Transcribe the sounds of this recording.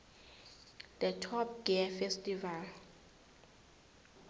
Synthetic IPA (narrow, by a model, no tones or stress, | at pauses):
d̪̥ətʰɔp̚ɡ̥ɛɛfɛstʼival